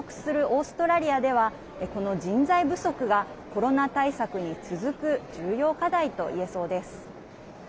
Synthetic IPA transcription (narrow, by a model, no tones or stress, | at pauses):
kɯ̥sɨɾɯ̟ʔo̞ːsɨ̥t̪o̞ɾaɾʲiad̪e̞β̞a | eko̞no̞d͡ʑĩnzaibɯ̟so̞kɯ̟ɡa | ko̞ɾo̞nat̪aisakɯ̟ɲ̟it͡sɨzɨkɯ̟d͡ʑɨːjo̞ːkad̪ait̪o̞̰ḭe̞so̞ːd̪e̞sɨ̥